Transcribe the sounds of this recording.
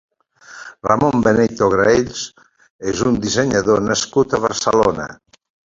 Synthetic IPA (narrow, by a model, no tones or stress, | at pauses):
ramombenet̪oɣɾeʎs | ezund̪izeɲaðonaskut̪aβəɾsəlonɐ̰